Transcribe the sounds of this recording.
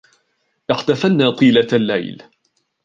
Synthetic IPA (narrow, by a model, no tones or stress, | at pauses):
ʔɪħt̪afanːaːt̪ˤiːlalːa̰jl